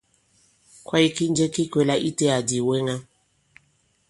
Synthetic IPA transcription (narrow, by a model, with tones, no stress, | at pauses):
kwa˦i˦ki˦nd͡ʒe˦ki˦kwe˦la˦ʔi˦te˦a˨di˨we˦ŋa˦